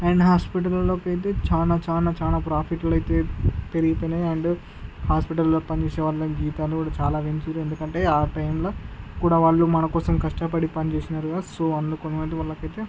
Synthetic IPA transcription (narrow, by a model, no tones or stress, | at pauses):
ajɐnɐɦaːspiʈ̬ɐlɐlo̞ːkɐjt̪̬eːt͡ʃaːnaːt͡ʃaːnaːt͡ʃaːnaːpɾaːpʰiʈɐlɐjt̪e̞ːpeɾiɡipojnɐjɐɳɖ | haːspiʈɐlloːkpɐnt͡ʃeːsɛːʋaːɭːɐd͡ʒiːt̪aːlukuːɽaːt͡ʃaːlaːʋeɲt͡ʃuɾue̞nd̪ukɐɳʈe̞ːaːʈɐjmloːkuːɽaːʋaːɭːumɐnɐkɔːsɐmkɐʂʈɐpɐɽipɐnit͡ʃeːsinaɾuɡaːsoːɐnd̪ukont͡ʃɐmɐjt̪̬eʋɐɭːɐkɐjt̪eː